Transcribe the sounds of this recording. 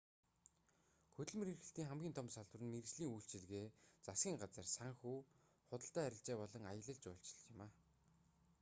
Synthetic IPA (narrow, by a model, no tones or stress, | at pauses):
xɵt̪ɘ̆ɮmiɾirxɘ̆ɬt̪iːŋχæmɡʲiːnt̪ʰɔmsaɮwə̆rɘ̆nmer̆t͡ɕɮiːŋujɬt͡ɕiɮɣeːt͡sasɡʲiːŋɢat͡sə̆rsaŋxuː | χʊt̪ə̆ɬt̪æːæɾʲɪ̆ɬt͡ɕeːpɔɮɞ̆ŋajə̆ɮə̆ɮt͡ɕʊːɬt͡ɕɪ̥̆ɮɪmaː